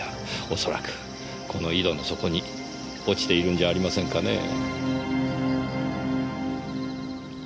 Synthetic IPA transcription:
o̞so̞ɾa̰kɯ̥ | kʰo̞no̞id̪o̞no̞so̞ko̞ɲ̟i | o̞t͡ɕi̥t̪e̞iɾɯ̟̃ɲd͡ʑaːɾʲimasẽ̞ŋkane̞̰

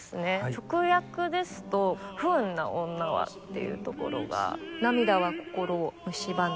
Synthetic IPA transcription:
sɨne̞t͡ɕo̞kɯ̟jakɯ̟d̪e̞sɨ̥t̪o̞ɸɯnːa̰õnːaβa̰t̪ːe̞̰jɯ̟̰t̪o̞ko̞̰ɾo̞̰ɡa̰namʲid̪aβako̞̥ko̞ɾomɯ̟ɕiban

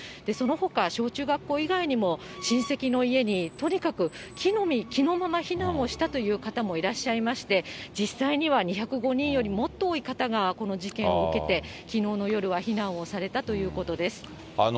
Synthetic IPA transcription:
d̪̥e̞so̞no̞ho̞kaɕo̞ːt͡ɕɨːɡakːo̞ːiɡaiɲ̟imo̞ | ɕĩɰ̃se̞kʲino̞ie̞ɲ̟it̪oɲ̟ikakɯ̟ | kʲinomʲikʲino̞ːmamaçinãɰ̃o̞ɕi̥t̪at̪o̞jɯ̟ːkat̪amo̞iɾaɕːaimaɕi̥t̪e̞d͡ʑisːaiɲ̟iβaɲ̟içakɯ̟ɡo̞ɲ̟ĩɰ̃jo̞ɾʲimo̞t̪ːo̞ːikat̪aɡako̞no̞ʑikẽ̞ɰ̃oɯke̞t̪e̞kʲino̞ːno̞jo̞ɾɯ̟βaçinãɰ̃o̞saɾe̞t̪at̪o̞jɯ̟ːko̞t̪o̞d̪e̞sɨ̥

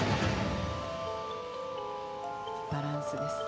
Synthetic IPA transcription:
b̥aɾãñsɨd̪esɨ̥

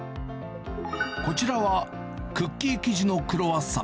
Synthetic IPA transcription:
ko̞t͡ɕiɾaβa | kɯ̟kʲːiːkʲiʑino̞kɯ̟ɾo̞βasːa̰

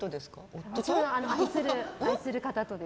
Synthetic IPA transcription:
t̪od̪eskaosoeaːnoaisɨɾɯaisɨɾɯ̟kat̪at̪o̞d̪e

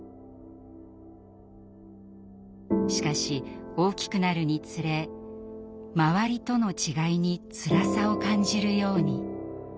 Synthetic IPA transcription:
ɕi̥kaɕio̞ːkʲi̥kɯ̟naɾɯ̟ɲ̟it͡sɨɾe̞ | maβaɾʲit̪o̞no̞t͡ɕiɡaiɲ̟it͡sɨɾasao̞kãɲ̟d͡ʑiɾɯ̟jo̞ːɲ̟i

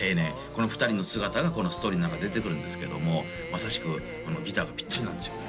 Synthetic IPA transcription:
eːne | ko̞no̞ɸɯ̥t̪aɾʲino̞sɨɡat̪aɡako̞nosɨ̥t̪oːɾinãkad̪et̪e̞kɯ̟ɾɯ̟nd̪e̞sɨ̥ke̞d̪o̞̰mo̞ | masaɕi̥kɯ̟ | kono̞ɡʲit̪aːɡapʲi̥t̪ːaɾʲinãnd̪e̞sɨjo

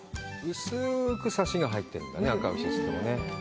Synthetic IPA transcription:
ɯ̟sɨkɯ̟saɕiɡaɦait̪ːe̞ɾɯ̟̃nd̪a̰neakaɯ̟ɕisɨ̥t̪omo̰ne̞

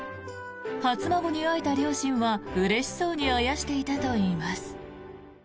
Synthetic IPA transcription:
hat͡sɨmaɡo̞ɲ̟iait̪aɾʲo̞ːɕĩɰ̃βaɯ̟ɾe̞ɕi̥so̞ːɲ̟iajaɕi̥t̪e̞it̪at̪o̞iːmasɨ̥

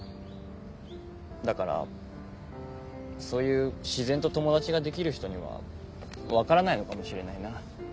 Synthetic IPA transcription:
d̪akaɾa̰ | so̞ːjɯ̟ːɕizẽ̞nt̪o̞t̪o̞mo̞d̪at͡ɕiɡad̪e̞kʲiɾɯ̟çi̥t̪o̞ɲ̟iβa̰ | βakaɾanaino̞kamo̞ɕiɾe̞naina

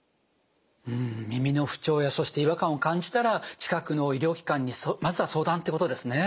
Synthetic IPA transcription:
ɯ̃ɴmʲimʲino̞ɸɯ̟̥t͡ɕo̞ːjaso̞ɕi̥t̪eiβakãɰ̃o̞kãɲ̟d͡ʑi̥t̪aɾat͡ɕi̥kakɯ̟no̞iɾʲo̞ːkʲi̥kãɲ̟ːismazɨβaso̞ːd̪ãnt̪ekot̪o̞d̪e̞sɨne̞

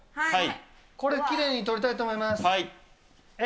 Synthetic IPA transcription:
ai | ko̞ɾe̞kʲiɾe̞ːɲ̟ːit̪o̞ɾʲit̪ait̪oːmo̞imasai

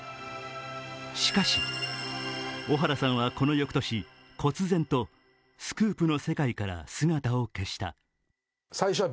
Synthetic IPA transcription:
ɕi̥kaɕi | o̞ɦaɾasãɰ̃βako̞no̞jo̞kɯ̟̥t̪o̞ɕi | kʰo̞t͡sɨzẽ̞nt̪o̞ | sɨ̥kɯ̟ːpɯ̟no̞se̞kaikaɾa̰sɨŋat̪ao̞ke̞ɕi̥t̪a̰ | saiɕoβa

